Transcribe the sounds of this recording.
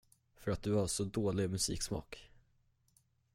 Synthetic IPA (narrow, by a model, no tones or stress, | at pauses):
fœɾat̪̚d̪ɵhaʂɔd̪oːlɪɡmɵsḭːksmɑ̰ːk